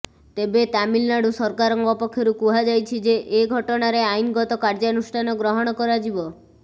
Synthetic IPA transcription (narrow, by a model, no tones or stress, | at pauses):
t̪ebet̪amilnaɽusɔɾkaɾɔŋɡɔpɔkʰːjɔɾukuɦad͡ʒajt͡ʃʰid͡ʒeʔeɡʱɔʈɔɽ̃aɾeajnɡɔt̪ɔkaɾd͡ʒanusʈʰanɔɡɾɔɦɔɽ̃ɔkɔɾad͡ʒibɔ